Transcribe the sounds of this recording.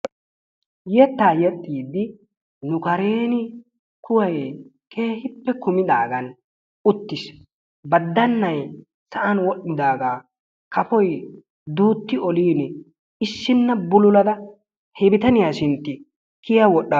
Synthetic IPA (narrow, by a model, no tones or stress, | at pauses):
jɛt̪ːaːjɛt̪ʼːiːd̪ːɪ | nʊkɐɾe̞ːnɪ | kʊwɐj | kʰe̞ːhɪpːɛkʊmɪd̪aːɡɐn | ʊt̪ːɪs | bɐd̪ːɐnːɐj | sɐʔɐnwɔɗːɪd̪aːɡaː | kɐfɔj | d̪uːt̪ːɪɔliːn | ɪʃːɪnːɐbʊlʊlɐd̪ɐ | hɛbɪt̪ɐnɪjaːʃɪnt̪ːɪ | kɪjɐwɔɗːɐ